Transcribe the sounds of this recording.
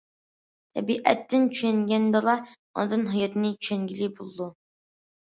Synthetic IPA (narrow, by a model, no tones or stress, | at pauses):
t̪ʰɛ̰biʔæ̰t̪ʰːɪnt͡ʃʰyʃɛŋɡʲɛnd̪ɑlˠɑ | ɔ̰nɨd̪ɨnɦɨjɑt̪ɨnɨt͡ʃʰyʃɛŋɡʲilibulˠd̪u